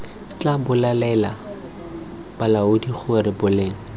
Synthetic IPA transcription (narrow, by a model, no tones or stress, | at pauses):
t͡ɬʼabʊlalɛla | b̥alaʊdik͡xʰuarɪbʊleːŋ̩